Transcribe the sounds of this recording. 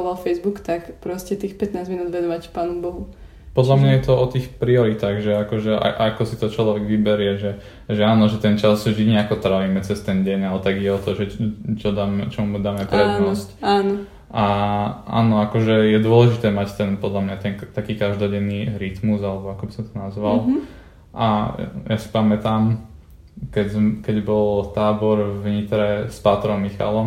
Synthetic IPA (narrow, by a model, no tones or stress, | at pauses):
ɔlalfɛjzbukt̪akpɾɔscɛt̪iːxpɛt̪naːzminuːd̪ʋɛnɔʋacpaːnɔmbɔɦu | pɔd̪lamɲajɛt̪ɔɔt̪iːxpɾiɔɾit̪aːɣʒɛakɔʒɛa̰ʔakɔsit̪ɔt͡ʃlɔʋɛɡʋibɛɾjɛʒɛ | ʒɛaːnɔʒɛt̪ɛnt͡ʃazʒiɲɛakɔt̪ɾaʋimɛt͡sɛst̪ɛnɟɛɲalɛt̪aɡiɟɛɔt̪ɔʒɛt͡ʃɔd̪aːmɛt͡ʃɔmud̪aːmɛpɾɛd̪nɔscaːnɔ | ʔaʔa̰ːnɔakɔʒɛjɛd̪ʊɔlɛʒit̪ɛːmact̪ɛnpɔd̪lamɲat̪ɛnkt̪akiːkaʒd̪ɔɟɛnːiːɾit̪muzalɛbɔakɔbisɔmt̪ɔnazʋall | ʔajasi̥pamɛt̪aːm | kɛɟzmkɛɟbɔlt̪aːbɔɾʋɲit̪ɾɛspat̪ɾɔmːixa̰lɔm